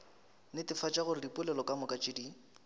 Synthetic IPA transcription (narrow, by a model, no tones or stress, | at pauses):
nɪtɪfat͡ʃʼaɣʊrɪdipʼʊlɛlɔkʼamʊkʼat͡ʃʼɪdi